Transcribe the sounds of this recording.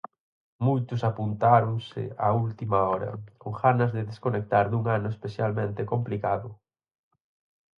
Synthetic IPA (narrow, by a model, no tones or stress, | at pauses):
mujt̪ʊsapunt̪aɾʊŋsɪ̰ault̪imaɔɾɐ̰oɣanɐzðɪðeskonek̚t̪aɾðuŋanʊespeθjalmẽnt̪ekomplikaðʊ